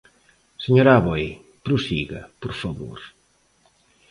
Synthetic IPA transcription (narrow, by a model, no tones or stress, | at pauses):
seɲoɾaβoj | pɾusiɣɐ̰poɾfɐβo̰ɾ